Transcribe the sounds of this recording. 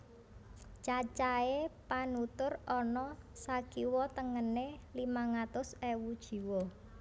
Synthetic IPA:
t͡ʃat͡ʃaepanut̪ʊrɔnɔsakiwɔt̪əŋənelimaŋat̪ʊsewud̥ʒ̥i̤wɔ

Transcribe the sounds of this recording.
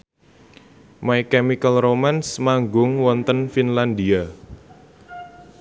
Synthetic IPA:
majkɛmikəlromansmaŋɡʊŋwɔnt̪ənfinlandia

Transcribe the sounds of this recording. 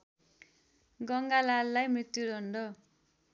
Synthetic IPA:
ɡʌŋɡalalːajmɾit̪ːjuɾʱʌɳɖʌ

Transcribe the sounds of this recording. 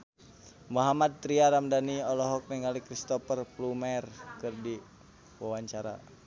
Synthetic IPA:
muɦamad̪̚t̪ːɾiaɾamdaniɔlɔɦɔk̚nɛŋalikɾist̪ɔfərplumɛrkɨrdi | wawaɲt͡ʃaɾa̰

